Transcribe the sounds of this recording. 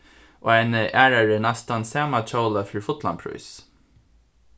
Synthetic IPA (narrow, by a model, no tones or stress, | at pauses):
ʔo̰ːaɪnəʔæːɹaɹənast̪ansæːmat͡ʃoʊlafɪɹfʊt̪la̰npʰɹʊ̰ʏs